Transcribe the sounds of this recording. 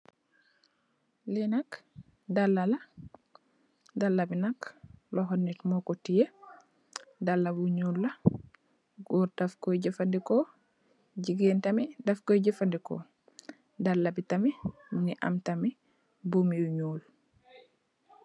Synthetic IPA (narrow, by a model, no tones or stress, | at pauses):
lɛnak | dalːala | dalːabinaklɔɦɔnːitmɔkɔtijɛ | dalːabɲulːa | ɡɔɾtafkɔjɟɛfandikɔ | d͡ʒiɡentamidafkɔjɟɛfandikɔ̰ | dalːabitaminiʔa̰mtami | bumijuɲul